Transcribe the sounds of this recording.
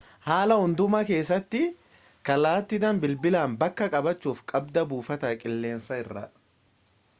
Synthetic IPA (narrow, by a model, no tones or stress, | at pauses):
haːlɐhʊnd̪ʊmɐke̞ːs̬ːɐt̪ːɪ | kɐlaːt̪ːɪd̪ɐmbɪlbɪlaːmbɐkːɐkʼɐbɐt͡ʃːuːfkʼɐbd̪ɐbuːfɐt̪ɐkʼɪlːe̞ːnsɐɪrːɐ̰